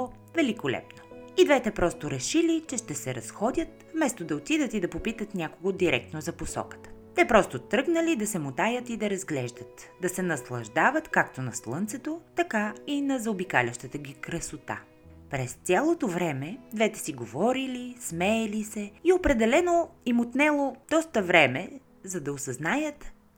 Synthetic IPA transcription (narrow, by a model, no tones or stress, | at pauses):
vɛlikolɛ̰pnoid̪vɛt̪ɛpɾɔst̪oɾɛʃilit͡ʃɛʃt̪ɛsɛɾɐsxɔd̪ʲət̪vmɛst̪od̪ɐot̪id̪ət̪id̪ɐpopit̪ət̪nʲakoɡod̪iɾɛk̚t̪nozɐposɔ̰kə̥t̪ə̥t̪ɛpɾɔst̪ot̪ɾɤɡnəlid̪ɐsɛmot̪ajət̪id̪ɐɾɐzɡlɛʒd̪ət̪d̪ɐsɛnɐslˠɐʒd̪avət̪kakt̪onɐslˠɤnt̪sɛt̪ot̪ɐkainɐzɐobikalʲəʃt̪ət̪əɡʲikɾəsot̪a̰ | pɾɛst̪sʲjalˠot̪ovɾɛmɛd̪vɛt̪ɛ̥siɡovɔɾilismɛːlisɛiopɾɛd̪ɛlɛnoimot̪nɛlˠod̪̥ɔst̪əvɾɛmɛ | zɐd̪ɐosɐznajət̪